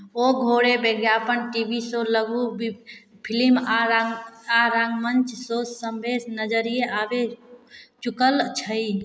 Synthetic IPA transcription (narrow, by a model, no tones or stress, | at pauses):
oɡʱoɽebeɡjapənʈibʱisoləɡub | pʰilima | aɾaŋɡmənt͡ʃsossəmbʱesnəd͡ʒəɾijeʔabe | t͡ʃukəlt͡ʃʰəi